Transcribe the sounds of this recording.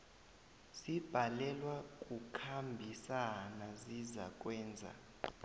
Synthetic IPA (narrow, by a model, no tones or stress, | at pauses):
sib̥ʱalɛlwak̬ʼukʰambʱisanaziza̰k̬ʼwɛːnd͡zʱa̰